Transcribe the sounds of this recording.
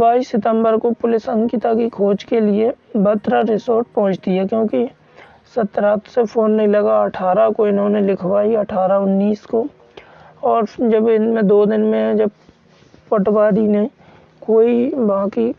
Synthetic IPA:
baːiːsɪt̪ə̃mbəɾkopʊlɪsə̃ŋkɪt̪akikʰoːd͡ʒkeliebət̪ɾaɾɪsoːɾʈ̚pɐɦʊ̃t͡ʃt̪iakjõːki | sɐt̪ɾaːt̪sepʰoːnːɐɦĩlɐɡaɐʈʰaːɾakoɪnɦõːnelɪkʰwaːiɐʈʰaːɾaʊnːiːsko | ɔːɾd͡ʒɐbɪnmẽd̪oːd̪ɪnmẽd͡ʒɐb | pəʈwaːɾine | koːibaãki

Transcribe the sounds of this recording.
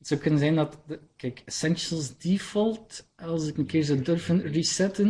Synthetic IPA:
z̥owkɵnənzɛndɑtdəkɛɪkəsɛnʃəlˠsdifɔlˠtɑlˠsəkənəkɪːɹzowdɵrfənrisɛtən

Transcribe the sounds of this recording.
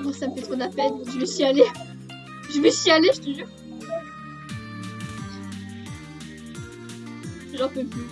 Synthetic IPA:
mɔ̃saməfɛt̪χod̪lapɛnɔ̃ʒəvəsɥiale | ʒəməsɥialeʒət̪əʒyʁ | ʒɑ̃pøpy

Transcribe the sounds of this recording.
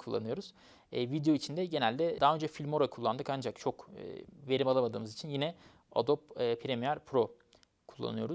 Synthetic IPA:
kʰulˠːa̰nɯjo̞ɾuz̥ː | vid̪ejo̞it͡ʃʰind̪ɛɟe̞nælʲd̪ɛd̪aɦːø̞nd͡ʒɛfilʲmo̞ɾakʰulˠːand̪ɯkand͡ʒakt͡ʃʰo̞kɯ̰ve̞ɾimalˠamad̪ɯ̰ːmɯzit͡ʃʰinjinɛ | a̰d̪op̚ɯːpʰiɾemijæɾpʰɾo̞ | kʰulˠːa̰nɯjo̞ɾu

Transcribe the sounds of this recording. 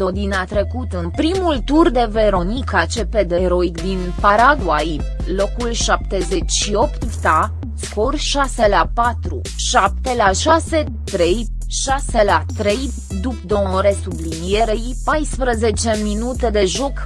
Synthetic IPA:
d̪o̞d̪inat̪ɾe̞kut̪ɨnpɾimult̪urd̪e̞ve̞ɾo̞nikat͡ʃe̞ped̪eɾo̞ikd̪inpaɾaɡwaj | lo̞kulʃap̚t̪e̞ze̞t͡ʃʲʃio̞pt̪vt̪a | sko̞rʃaselapat̪ɾṵ | ʃap̚t̪e̞laʃase | t̪ɾe̞j | ʃaselat̪ɾe̞j | d̪upd̪omoɾe̞sublinijeɾeipajspɾəze̞t͡ʃe̞minut̪e̞d̪e̞ʒo̞k

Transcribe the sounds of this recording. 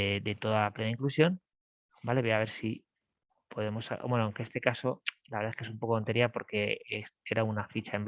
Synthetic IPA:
ed̪e̞t̪o̞ðaaple̞naiŋklusjo̞n | bale̞βoaβ̞e̞ɾsi | pʰo̞ðe̞mo̞smwenoaŋke̞est̪e̞kaso̞laβeɾðaeskeumpo̞ko̞ont̪e̞ɾjapo̞ɾke̞ese̞ɾaunafit͡ʃae̞mb

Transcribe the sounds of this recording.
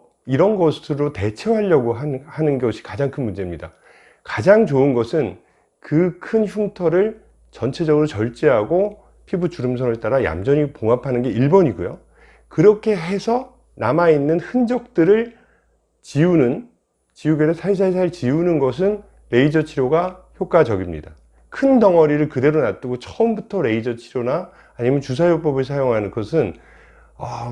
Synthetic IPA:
iɾʌnɡʌsʰɯɾote̞t͡ɕʰewɦaʎːʌɡoɦahanɯnɡeoɕʰi̥kad͡ʑaŋkʰɯnmund͡ʑe̞mɲida | kad͡ʑaŋt͡ɕoɯnɡʌsʰɯn | kɯkʰɯnçuŋtʰʌɾɯɭ | t͡ɕʌnt͡ɕʰe̞d͡ʑʌɡɯɾot͡ɕʌɭt͡ɕ͈eɦaɡo | pʰibut͡ɕuɾɯms̬ʰʌŋeɭt͈aɾaja̰md͡ʑʌɲipoŋɦapʰanɯnɡe̞iɭbʌɲiɡojo̰ | kɯɾʌkʰe̞ɦe̞sʰʌ | namainːɯnhɯnd͡ʑʌk̚t͈ɯɾɯɭ | t͡ɕiunɯn | t͡ɕiuɡedesʰais̬ʰais̬ʰaɾɯɭt͡ɕiunɯnɡʌs̬ʰɯn | ɾe̞id͡ʑʌt͡ɕʰiɾjoɡaçjok͈ad͡ʑʌɡimɲḭda | kʰɯndʌŋʌɾiɾɯɭkɯde̞ɾonat͈ɯɡot͡ɕʰʌɯmbutʰʌɾe̞id͡ʑʌt͡ɕʰiɾjona | aːɲimjʌnt͡ɕus̬ʰajok̚p͈ʌbɯɭs̬ʰajoŋɦanɯnkʌsʰɯn | ʌ

